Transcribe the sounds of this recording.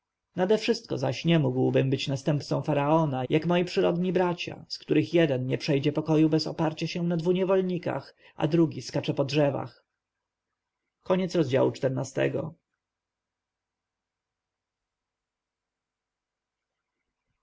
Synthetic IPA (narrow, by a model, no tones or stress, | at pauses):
nad̪ɛfʂɘst̪̚kɔ̰za̰ɕɲɛmuɡwbɘmbɘt͡ɕnast̪ɛmpt̪sɔ̃w̃faɾaɔnajʔakmɔjipʂɘɾɔd̪ɲibɾat͡ɕa̰skt̪uɾɘxjɛd̪ɛnɲɛpʂɛjd͡ʑɛpɔkɔjubɛzɔ̰paɾt͡ɕaɕɛ̃nad̪vuɲɛvɔlɲika̰x | ʔa̰d̪ɾuɡʲiskat͡ʂɛpɔdʐɛva̰x | kɔɲɛt̪sɾɔzd͡ʑa̰wut͡ʂt̪ɛɾnast̪ɛ̰ɡɔ̰